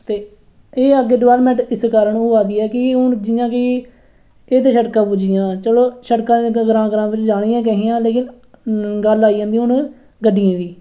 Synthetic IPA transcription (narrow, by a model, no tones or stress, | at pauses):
t̪eː | eːəɡeːɖɪʋɛːlmɛ̃ːɳʈɪskaːɾəɳoːaːd̪iːɛːkɪʊnd͡ʒɪːãːkɪ | eːt̪̬eːʃəʈkãːpud͡ʒɪjãːt͡ʃəloːʃəʈkãːd̪eɡɾãːɡɾãːʋɪt͡ʃd͡ʒaːɽ̃ɪjãːk̬ɛɦiːãːleːkɪn | ɡəlaːiːãːnd̪iːɦʊn | ɡəɖːɪjãːd̪iː